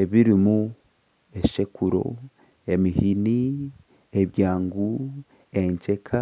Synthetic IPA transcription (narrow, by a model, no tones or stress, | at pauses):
e̞βiɾimu | e̞ʃe̞kuɾo̞̰ | e̞mihini | eβjaːŋɡu | e̞ɲce̞kʰa